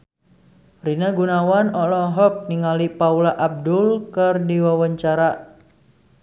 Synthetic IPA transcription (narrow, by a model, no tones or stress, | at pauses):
rinaɡunawanɔlɔɦɔk̚niŋalipaulaʔab̚dulkərdiwawaɲt͡ʃaɾa